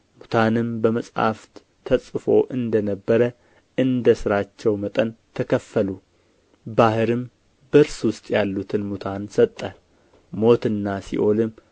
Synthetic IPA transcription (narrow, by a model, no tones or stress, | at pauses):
mut̪ʰanɨmbəməsʼha̰ft̪ | t̪ʰəsʼfo̞ʔɨnd̪ənəbːəɾə | ʔɨnd̪əsɨɾat͡ʃːɛwmət̪ʼənt̪ʰəkʰəfːəlu | bahɨɾɨm | bəɾswʊst̪ʼjalːut̪ʰɨnmut̪ʰansət̪ʼːə | mo̞t̪ɨnːasḭʔo̞lɨm